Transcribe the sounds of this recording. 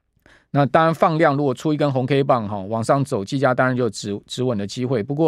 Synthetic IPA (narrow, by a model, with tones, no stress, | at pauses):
na˥˨t̪ɑ˥ŋɻa˧˦nfɑ˥˧ŋljɑ˥˨ŋɻu˧˥kwɔ˨˩ʈ͡ʂʰu˥i˧˥˩kə˦˥nxʊ˧˥ŋkʰe˥ɪpɑ˥˨ŋɦɔ˥˩wɑ˨˩ŋʂɑ˥˩ŋt͡so˨˩ʊt͡ɕi˥˩t͡ɕja˥˦t̪ɑ˥ŋɻa˨˦nt͡ɕo˥˩˧ʈ͡ʂɻ̩˧˥wə˨˩nd̪ə˦t͡ɕi˥xwe˥˩ɪpu˧˥k̬wɔ˥˨